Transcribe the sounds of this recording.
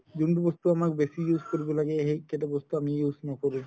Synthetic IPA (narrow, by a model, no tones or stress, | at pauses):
d͡ʑuɳʈubost̪uamakbeʃijuzkoɾibolaɡeɦekeʈabost̪uamijuznɔkoɾu